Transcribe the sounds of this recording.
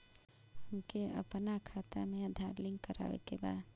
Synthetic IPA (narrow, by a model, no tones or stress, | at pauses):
ɦəmkeə̰pnakʰaːt̪amẽəd̪ʱaːɾlɪŋɡkəɾa̰ːʋḛkeba̰ːd̪